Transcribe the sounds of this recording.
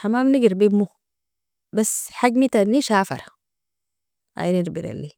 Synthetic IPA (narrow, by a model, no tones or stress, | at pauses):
ħamamniɡiɾbimːu | basħaɡmit̪anːiʃafa̰ɾa | a̰jniɾbiɾa̰lːi